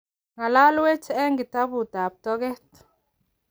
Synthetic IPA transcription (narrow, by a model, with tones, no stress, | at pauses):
ŋa˨la˦lwe˦t͡ʃɛ˦ŋɡi˨ta˦bu˨ta˨p̚tɔ˦ɡɛ˦t